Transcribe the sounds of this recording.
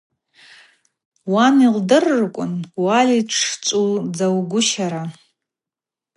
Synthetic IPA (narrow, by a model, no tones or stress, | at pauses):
wanildɨrːkʷʼʊnwaliʈ͡ʂʰt͡ʃʷʼud͡zawɡʷʊʃaɾa